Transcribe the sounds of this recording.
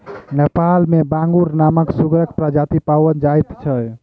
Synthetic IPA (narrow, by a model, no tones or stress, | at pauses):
nepalmebãŋɡuɾnaməksuɡɾəkpɾad͡ʒat̪ipawənd͡ʒajt̪t͡ʃʰə